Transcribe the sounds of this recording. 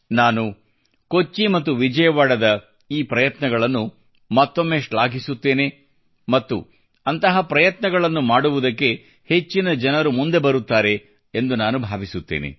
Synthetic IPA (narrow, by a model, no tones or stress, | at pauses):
naːnu | ko̞t͡ʃːimɐt̪ːuʋid͡ʒɐjɐʋaːɽɐd̪ɐ | iːpɾɐjɐt̪nɐɡɐɭɐnːu | mɐt̪ːomːeːʂɭaːɡisut̪ːe̞ːne̞ | mɐt̪ːṵ | ɐnt̪ɐɦɐpɾɐjɐt̪nɐɡɐɭɐnːumaːɽuʋud̪ɐkːe̞ | he̞t͡ʃːinɐd͡ʒɐnɐɾumund̪e̞bɐɾut̪ːaːɾe̞ː | nd̪unaːnubʱaːʋisut̪ːḛːnḛ